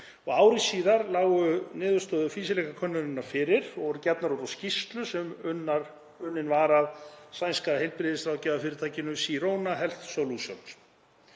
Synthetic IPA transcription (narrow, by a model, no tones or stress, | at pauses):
ɔɣaːwɾisiːðaɾlaːwʏnɪːðʏ̥st̪œːðʏfiːsɪlɛkakʰœnːʏnɪnːaɾ̥fɪːɾɪɾɔɣɾcɛpnaɾɔɾascist̪lʏsɛmʏnːaɾ | ʏnːɪnvaːɾaðsajnskaɾahejlpɾɪðɪsɾaːwcɛːvafɪɾɪɾt̪ʰaːjcɪnʏmsiɾoːwnaɦɛl̥t̪sowlusjo̰wns